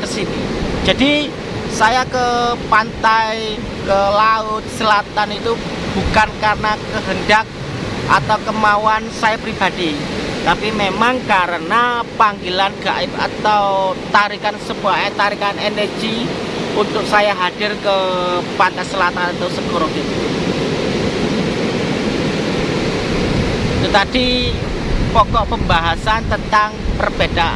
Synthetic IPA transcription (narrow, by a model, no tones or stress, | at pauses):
kəsinid͡ʒadi | sajakəpant̪aj | kəlaʊt̪̚səlat̪anit̪ub̥ukankarənakəɦəndak̚ | ʔa̰t̪awkəmawansajapɾib̥ad̥it̪apimemaŋkaɾənapaŋɡilanɡ̥a̰ʔɪp̚a̰t̪awt̪aɾikansəbuaat̪aɾikanɛnərɡ̥i | unt̪ʊk̚sajaɦad̥ɪrkəpant̪asəlat̪anat̪awsəkoɾɔɡit̪u | t̪ət̪ad̥i | pɔkɔʔpəmbaɦasant̪ənt̪aŋpərb̥ed̥a